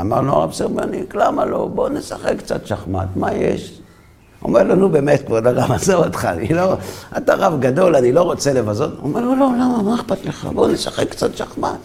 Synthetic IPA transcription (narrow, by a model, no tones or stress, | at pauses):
amaʁnoa̰ʁa̰bseʁmoniklamalo̞̰bo̞nesaχekkːt͡sa̰t̪ʃaχma̰t̪majḛʃ | o̰meʁlonube̞met̪̚kvad̪aʁamazaotχa̰niloataʁavɡado̞lanilo̞ʁo̞t͡sele̞vazotoomeʁlolo̞lamamaeχbat̪leχa̰bonesaχekːt͡sat̪ʃaχma̰t̪